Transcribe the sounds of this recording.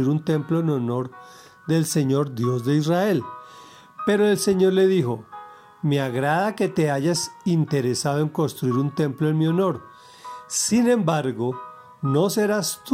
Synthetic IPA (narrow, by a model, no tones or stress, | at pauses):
iɾunt̪e̞mploeno̞no̞ɾ | d̪e̞lse̞ɲo̞ɾd̪jo̞zd̪e̞israe̞l | pe̞ɾoelse̞ɲo̞ɾle̞ðixo̞ | meaɣɾaðake̞t̪e̞aʝasint̪e̞ɾe̞saðoe̞ŋko̞nst̪ɾuiɾunt̪e̞mploenmio̞no̞ɾ | sinẽ̞mbaɾɡo̞ | no̞se̞ɾast̪